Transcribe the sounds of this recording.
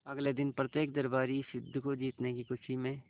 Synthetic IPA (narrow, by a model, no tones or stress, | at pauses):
ɐɡled̪ɪnpɾɐt̪jeːk̚d̪ɐɾbaːɾisɪd̪ʱːkod͡ʒiːt̪nekikʊt͡ʃʰimẽ